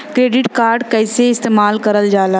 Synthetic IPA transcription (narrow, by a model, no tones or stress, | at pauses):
kɾeːɖɪʈkaːɾɖkɛːseɪst̪eːmaːlkɐɾəld͡ʒaːlaː